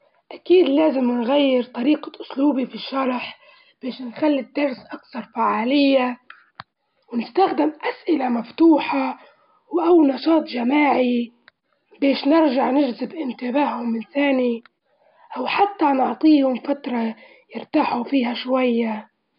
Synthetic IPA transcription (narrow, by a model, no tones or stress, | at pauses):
ʔakiːd̪laːzɪmnɣajːɪɾt̪ˤɑɾiːqaʔʊsluːbifiʃːɑɾˤħ | b̥eːʃnxalːid̪ːɑɾˤsʔakθɑɾˤfaʕaːlɪjːa | wnɪst̪axd̪ɪmʔasʔɪlamaft̪uːħa | wʔawːnɑʃɑːt̪ˤʒamaːʕi | beːʃnɪɾʒaʕnɪʒzɪbʔɪnt̪ɪbaːhhʊmːɪnθaːni | ʔawħat̪ːanʊʕt̪ˤiːhʊmfat̪ɾˤɑ | jɪɾt̪aːħufiːɦaʃwajːa